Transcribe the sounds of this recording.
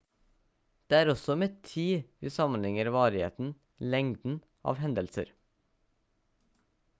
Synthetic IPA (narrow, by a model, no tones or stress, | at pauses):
d̪̥eːæːɾɔsɔmɛt̪ʰiːʋiːsɑmənlɪŋəɾʋɑːɾɪhḛːt̪n̩ | lɛŋd̪n̩ | ʔɑ̰ːʋhɛnd̪əlsə̰ɾ